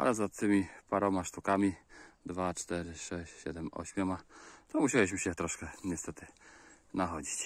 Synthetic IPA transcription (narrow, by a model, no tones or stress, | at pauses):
ʔa̰lɛzat̪ːɘmʲipaɾɔmaʂt̪ukamʲid̪vat͡ʂt̪ɛɾɘʂɛɕt͡ɕɕɛ̰d̪ɛmɔ̰ɕmʲjɔmat̪ɔmuɕɛwiɕ̬mɘɕɛt̪ɾɔʂkɛɲɛst̪ɛt̪ɘ | naɦɔd͡ʑit͡ɕ